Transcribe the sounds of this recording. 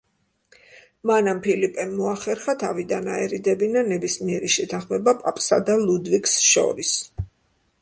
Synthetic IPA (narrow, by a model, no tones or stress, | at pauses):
manampʰilipʼɛmːɔaχɛɾχat̪ʰavid̪anaɛɾid̪ɛbinanɛbismiɛɾiʃɛt̪ʰaχmɛbapʼapʼsa̰d̪alˠud̪viksʃɔ̰ɾis